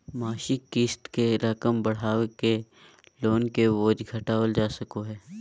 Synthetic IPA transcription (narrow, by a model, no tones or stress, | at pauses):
maːʃɪkːɪst̪keɾɐkəmbɐɽ̤aːʋeke | loːnkeʋoːd͡ʒɡʱɐʈaːʋəld͡ʒaːsɐkoɦɛː